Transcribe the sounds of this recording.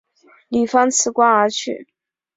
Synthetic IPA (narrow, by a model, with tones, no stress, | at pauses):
li˨˩fɑ˥ŋt͡sʰɹ̩˧˥kwa˥ə˞˧˥t͡ɕʰy̰˥˩